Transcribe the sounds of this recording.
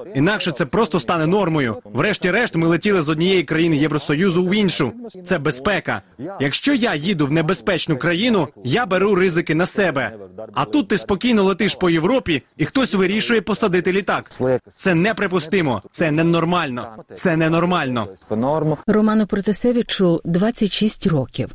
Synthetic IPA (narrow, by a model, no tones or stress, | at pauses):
inɑkʃɛt̪sɛpɾɔst̪ɔst̪ɑnɛnɔrmɔjʊʋɾɛʃtʲiɾɛʃt̪mɪlˠetʲilˠɪzɔdʲnʲijɛjikɾɐjinɪjɛwɾɔsɔjuzʊwinʃʊt̪sɛbespɛkɐ̰ | jɐkʃt͡ʃɔjajid̪ʊwnebespɛt͡ʃnʊkɾɐjinʊjabeɾuɾɪzɪkɪnɐsɛbɛɐt̪ut̪ːɪspɔkʲijnɔlˠet̪ɪʃpɔjewɾɔpʲiixt̪ɔsʲʋɪɾʲiʃʊjɛpɔsɐd̪ɪt̪ɪlʲit̪ɑkt̪sɛnɛpɾɪpʊst̪ɪmɔ̰t̪sɛnɛnɔrmɑlʲnɔt̪sɛnɛnɔrmɑlʲnɔ̰ | rɔmɑnʊpɾɔt̪esɛʋʲit͡ʃʊd̪ʋɑt͡sʲːɐtʲʃisʲtʲrɔkʲiw